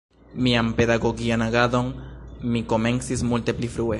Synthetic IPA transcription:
miampe̞daɡo̞ɡianaɡado̞nmiko̞me̞nt͡sismulte̞plifɾue

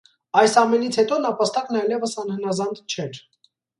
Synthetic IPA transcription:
ɑjsɑmɛnit͡sʰhɛt̪ɔnɑpɑst̪ɑknɑjlɛvəsɑnhənɑzɑnd̪t͡ʃʰɛɾ

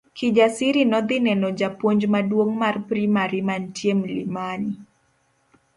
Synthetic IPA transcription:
kʰid͡ʒasiɾinɔd̪ɪnɛnɔd͡ʒapwoɲd͡ʒmadwoŋmarpɾimaɾimantjemlimani

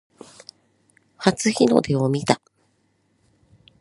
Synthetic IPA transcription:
hat͡sɨçino̞̰d̪e̞omʲit̪a

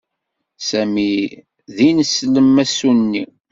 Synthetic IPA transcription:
sæmi | ðinəsləmːæsunːi

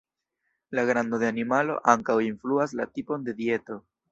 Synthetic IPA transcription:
laɡɾand̪od̪e̞animalo̞̰ʔaŋkawinfluaslatipo̞nde̞die̞to̞

